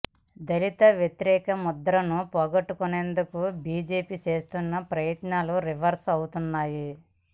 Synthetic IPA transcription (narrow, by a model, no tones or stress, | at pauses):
d̪ɐlit̪ɐʋjet̪iɾɛːkɐmɔd̪ɐɾɐnupɔːɡɐʈːukune̞ːnd̪ukubiːd͡ʒe̞ːpit͡ʃe̞ːst̪unːɐpɾɐjɐt̪naːluɾiʋɐɾsɐwut̪unːaːji